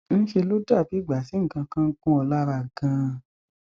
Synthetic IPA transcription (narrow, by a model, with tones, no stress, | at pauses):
ñ̩˦ʃe˧lo˦da˦˨bi˨˦˨ɡ͡ba˨si˨˦ŋ̩˦˨kã˧kã˦˧˦kũ˦ɔ˧la˦ɾa˧˨ɡã˧